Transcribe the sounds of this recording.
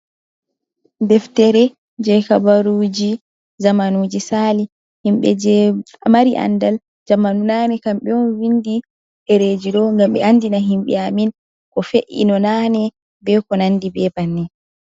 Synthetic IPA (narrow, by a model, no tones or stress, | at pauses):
dɛftɛɾɛ | d͡ʒɛkabaɾud͡ʒi | zamanud͡ʒisali | himɓɛ̰ | maɾiʔa̰ndal | d͡ʒamanunanɛkamɓɛɔnwindi | hɛɾed͡ʒidɔŋɡamɓɛ̰ʔandinaɦimɓɛ̰amin | kɔfeʔḭnɔnanɛ | bɛkɔnandibɛbanːɛ